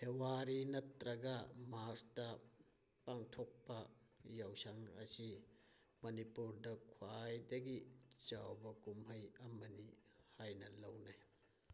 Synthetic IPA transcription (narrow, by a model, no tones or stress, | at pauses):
hewaɾinɐtɾɐɡɐmaɾstɐ | paŋtʰok̚pɐjawsaŋɐ̰si | mɐnipuɾdɐkʰwajdɐɡit͡ʃawbɐkumɦɐjɐmɐnihajnɐlɐwnaj